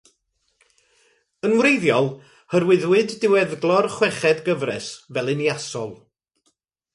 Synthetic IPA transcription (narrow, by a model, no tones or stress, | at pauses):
ənwrejðjɔlˠ | hərwɪðwɨdːɪwɛðɡlˠɔrχwɛχɛdɡəvrɛ̰svɛlˠɨnjasɔlˠ